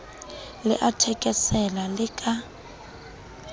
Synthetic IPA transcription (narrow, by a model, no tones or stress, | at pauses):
lɪ̰ʔatʰɛkʼɛsɛlalɪkʼa